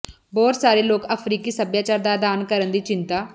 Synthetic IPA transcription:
bɔːt̪saːɾeloːkəfʰɾiːkiːsəbjaːt͡ʃaːɾd̪aːd̪aːnkəɾənd̪iːt͡ʃɪ̃nt̪aː

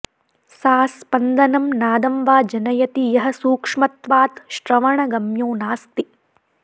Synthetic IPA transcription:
saːspɐnd̪ɐnɐmnaːd̪ɐmʋaːd͡ʒɐnɐjɐt̪ijɐɦɐsuːkʂmɐt̪ʋaːt̪ʃɾɐʋɐɳɐɡɐmjoːnaːst̪i

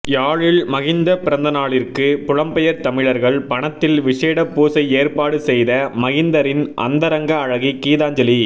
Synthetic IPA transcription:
jaːɻɪɭmɐɣɪnd̪ɐpɪɾɐnd̪ɐnaːɭɪrkɯpʊɻɐmpɛjɐɾt̪ɐmɪɻɐɾɣɐɭpɐɳɐt̪ːɪlʋɪʂeːɽɐpːuːsɐɪeːrpaːɽɯsɛjðɐmɐɣɪnd̪ɐɾɪnʔɐ̰nd̪ɐɾɐŋɡɐːɻɐɣikiːðaːɲd͡ʒɐli

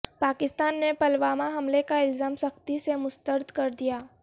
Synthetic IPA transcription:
paːkɪst̪aːnːepɐlʋaːmaɦɐmlekaɪlzaːmsɐxt̪isemʊst̪əɾd̪ʱkɐɾd̪ijaː

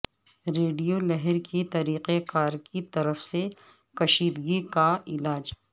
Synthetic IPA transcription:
ɾeːɖijolɛɦɛɾkʰit̪ɐɾiːqekaːɾkit̪ɐɾəfse | kɐʃiːd̪ɡikaɪlaːd͡ʒ

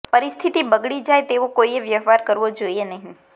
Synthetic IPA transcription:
pəɾist̪ʰit̪ibəɡɭid͡ʒajt̪eʋokoieʋjəɦʋaɾkəɾʋod͡ʒoienəɦĩ

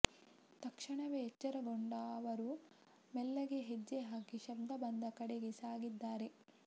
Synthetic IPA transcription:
t̪ɐkʂɐɳɐʋeɦːt͡ʃːɐɾɐɡoɳɖaʋɐɾu | mɛlːɐɡe̞ɦed͡ʒːeɦaːkiʃɐb̚d̪ʱɐbɐnd̪ɐkɐɽeɡesaːɡid̪ːaːɾe̞

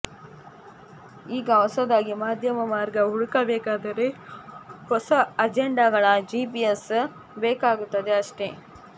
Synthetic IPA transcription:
iːɡɐɦɔsɐd̪aːɡimaːd̪ʱjɐmɐmaːɾɡɐɦuɽukɐbɛːkaːd̪ɐɾe̞ | hɔsɐɐd͡ʒeɳɖaɡɐɭɐd͡ʒiːpies | beːkaːɡut̪ːɐd̪eɐʂʈe̞

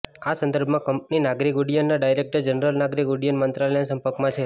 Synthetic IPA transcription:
asənd̪əɾbʱmãkəmpninaɡɾikuɖijənːaɖajɾek̚ʈəɾd͡ʒənəɾəlnaɡɾikʊɽijənmənt̪ɾaləjnasəmpəɾkmãt͡ʃʰe

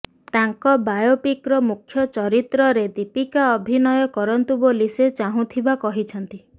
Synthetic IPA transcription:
t̪aŋkɔbajopikɾɔmukʰːjɔt͡ʃɔɾit̪ɾɔɾed̪ipikaɔbʱinɔjɔkɔɾɔnt̪uboliset͡ʃaɦũt̪ʰibakɔɦit͡ʃʰɔnt̪i

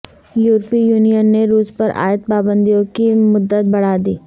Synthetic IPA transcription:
juːɾpijuːnijənːeɾuːspɐɾa̰ːjət̪̚paːbə̃nd̪ijõkimʊd̪ːət̪̚bɐɽ̤aːd̪ḭː

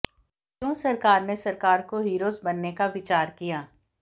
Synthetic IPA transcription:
kjõːsɐɾkaːɾnesɐɾkaːɾkoɦiːɾoːzbɐnːekaʋɪt͡ʃaːɾkijaː

